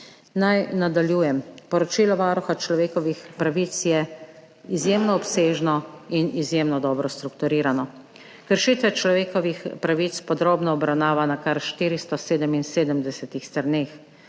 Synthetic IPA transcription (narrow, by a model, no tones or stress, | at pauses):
najnad̪aljuːjɛmpɔɾɔt͡ʃiːlɔʋaːɾuxat͡ʃlɔʋeːkɔʋixpɾaʋit̪sjɛ | izjeːmnɔːpseːʒnɔinizjemnɔd̪ɔːbɾɔst̪ɾukt̪uɾiːɾanɔ | kəɾʃiːt̪ʋɛt͡ʃlɔʋeːkɔʋixpɾaʋit̪spɔd̪ɾoːbnɔɔbɾawnaːʋanakaɾʃt̪iːɾist̪ɔseːd̪əminseːd̪əmd̪ɛsɛt̪ixst̪əɾneːx